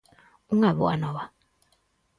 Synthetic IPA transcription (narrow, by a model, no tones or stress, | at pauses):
uŋaβua̰nɔβa